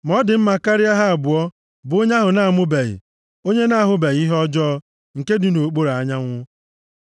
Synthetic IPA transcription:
m˨ɔ˦dɪ˨m̩˦ma˨ka˦ɾi˦a˦ɦa˦a˨bʊ˨ɔ˦ | bʊ˨˦ɲa˦ɦʊ˨na˨a˨mʊ˦be˨ɣɪ̰˨ | o˦ɲe˦na˦a˨ɦʊ˨be˨ɣi˦ɦɔ˦d͡ʒɔ˦ | ŋ̩˨ke˦dɪ˨no˨k͡po˦ɾa˨˦ɲa˦ŋʷʊ˦

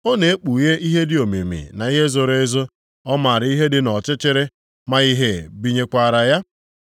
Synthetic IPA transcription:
o˦ne˨e˦k͡pu˨je˦ʔi˦ɦe˦dɪ˨o˨mḛ˨mḭ˨na˨i˦ɦe˦zo˨ɾe˦e˦zo˦ | ɔ˦ma˨ɾɪ˨˦i˦ɦe˦dɪ˦nɔ˨t͡ʃɪ˦t͡ʃɪ˦ɾe˦ | ma˦i˦ɦe˦˨bi˦ɲe˦kʷa˨ɾa˨ja˦

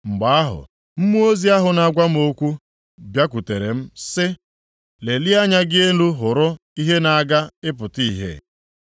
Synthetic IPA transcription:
ŋ͡m̩˨ɡ͡ba˨a˦ɦʊ̰˨ | m̩˦mu˦o˦zi˦a˦ɦʊ˨na˨ɡʷa˦m̩˦o˦kʷu˦ | bja˦kʷu˨te˨ɾḛ˨m̩˦sɪ˦ | le˨li˦a˦ɲa˦ɡɪ˦e˦nu˦ɦʊ˨ɾʊ˦ | i˦ɦe˦na˨a˦ɡa˦ɪ˦pʊ˨ti˦ɦḛ˦˨

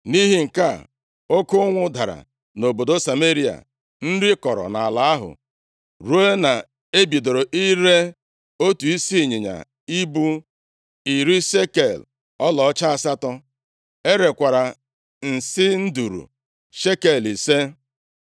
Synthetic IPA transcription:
ni˦ɦi˦ŋ̩˨ka˦˨ | o˦kʊ˦ŋʷʊ˦da˨ɾa̰˨ | no˨bo˨do˦sa˨me˦ɾi˦a̰˨ | n̩˦ɾɪ˦kɔ˨ɾɔ̰˨na˨a˨la˦a˦ɦʊ̰˨ | ɾu˦e˦na˨ | e˦bi˨do˨ɾo˨ʔi˦ɾe˦ | o˦tu˨i˦si˦˨ɲɪ˨ɲa̰˨ | i˦bu˦ | i˨ɾi˦ʃe˦ke˨l | ɔ˦lɔ˨ɔ˦t͡ʃa˦a˦˨sa˦tɔ˦ | e˦ɾe˨kʷa˨ɾa˨ | n̩˨sɪ˦n̩˦du˨ɾṵ˨ | ʃe˦ke˨li˨se˦

